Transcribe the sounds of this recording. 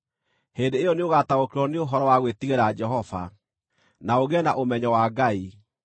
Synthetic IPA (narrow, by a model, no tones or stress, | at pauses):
heːndeejɔneoɣataokeɾɔneoɦɔɾɔwaɣwetiɣeɾad͡ʒɛɦɔva̰ | naoɣɛnaʔomɛɲɔwaɡai